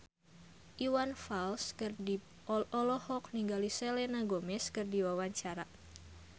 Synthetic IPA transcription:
ʔiwanfalskɨrdi | ɔlɔhɔk̚niŋɡaliselɛnaɡomɛskɨrdiwawaɲt͡ʃaɾa

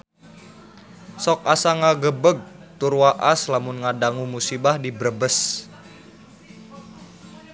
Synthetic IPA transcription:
sɔk̚asaŋaɡəbəɡ̚t̪urwaʔaslamunŋadaŋumusibahdibɾəbəs

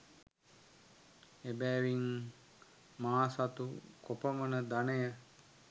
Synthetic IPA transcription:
ebɛːʋiŋ | maːsat̪ukopəmənəd̪anəjə

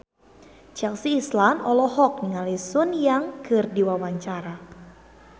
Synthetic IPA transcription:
t͡ʃɛlsiːslanɔlɔhɔk̚niŋalisʊnjaŋkɨrdiwawaɲt͡ʃaɾa

